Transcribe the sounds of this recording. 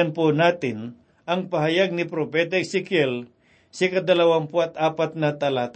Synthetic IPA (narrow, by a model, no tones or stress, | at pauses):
ɐnpʊnaːt̪ɪn | ʔɐŋpɐɦɐjaɡ̚nɪpɾopɛːt̪ɐɪsɪkjɛl | sɪkɐd̪ɐlɐwaŋpoɐt̪̚ʔaːpɐt̪̚nɐt̪ɐlaːt̪